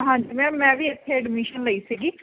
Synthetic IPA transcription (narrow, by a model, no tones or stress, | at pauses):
ɦãːɲd͡ʒimɛ̃ːmɛ̃ːʋiːɪt̪ʰːeɛɖmiʃənləiːsiːɡiː